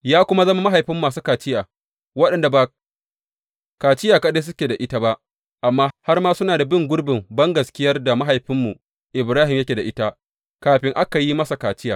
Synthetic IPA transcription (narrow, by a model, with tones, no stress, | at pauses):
jaː˦kʷʊ˦ma˦zɐ˦ma˦ma˦ɦa˨jɸɪ˦mːaː˨suː˦kaː˨t͡ʃɪ˦jaː˨ | wɐ˦ɗɐ˨nda˨ba˨ | kaː˨t͡ʃɪ˦jaː˨ka˦deː˦s̬ʊ˦kʲeː˨da˨ʔɪ˦ta˦ba˦ʔ | ʔa˨mːaː˦ha˦rmaː˦sʊ˦naː˨da˨bɪ˦ŋɡʷʊ˦rbɪ˨mbɐ˦ŋɡɐ˨skʲɪ˦jɐ˦rda˨ma˦ɦa˨jɸɪ˦mːu˨ | ʔɪ˨bɾaː˦ɦɪ˨mjɐ˦kʲeː˨da˨ʔɪ˦ta˦ | kaː˨ɸɪ˦ŋʔa˦ka˨ji˦mɐ˦sa˨kaː˨t͡ʃɪ˦ja̰ː˨